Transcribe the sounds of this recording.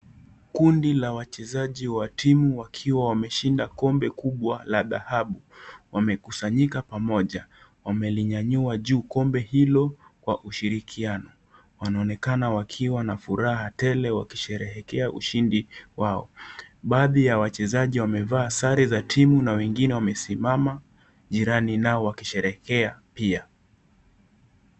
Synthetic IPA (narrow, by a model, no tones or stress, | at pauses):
kundilawat͡ʃɛzaʄiwatʰimuwakʰiwawamɛʃindakɔmbɛkuɓwalaða̰haɓuwamɛkusaɲikapamɔʄa | wamɛliɲaɲuaʄuːkɔmbɛhilɔkwaʔuʃiɾikʰianɔ | wanaɔnɛkanawakʰiwanafuɾaɦatɛlɛwaki̥ʃɛɾɛɦɛkɛaʔṵʃindiwaɔ̰ɓaːðijawat͡ʃɛzaʄiwamɛvaːsaɾizatʰimunawɛŋɡinɛwamɛsimama | ʄiɾaninaɔwakiʃɛɾɛkɛapia